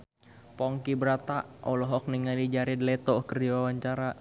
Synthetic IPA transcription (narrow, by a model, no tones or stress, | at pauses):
pɔŋkibəɾat̪aʔɔlɔɦɔk̚niŋalid͡ʒaɾidəlɛt̪ɔhkərd͡ʒiwawaɲt͡ʃaɾa